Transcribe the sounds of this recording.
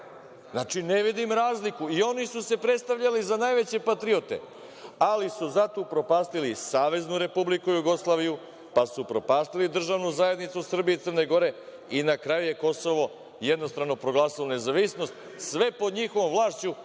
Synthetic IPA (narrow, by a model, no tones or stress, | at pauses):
nat͡ʂineʋid̪imɾaːzlikuio̞nisuse̞pɾe̞t̪st̪aʋʎalizanajʋe̞t͡ɕe̞pat̪ɾiot̪ḛ | alisuzat̪opɾo̞paːst̪ilisaːʋe̞znuɾe̞publikujuɡo̞slˠaːʋiju | pasupɾo̞paːst̪ilid̪r̩ʒaʋnuzaje̞d̪nit̪susr̩biiːt̪sərne̞ɡo̞ɾe̞ | inakɾajuje̞ko̞so̞ʋo̞ | jed̪no̞st̪ɾano̞pɾo̞ɡlˠaːsilone̞zaʋisno̞st̪ | sʋe̞po̞d̪ɲixo̞ʋo̞mvlˠaːʃt͡ɕu